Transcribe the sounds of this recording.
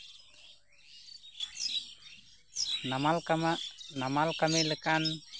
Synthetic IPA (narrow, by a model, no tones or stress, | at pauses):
namalkamnamalkameləkan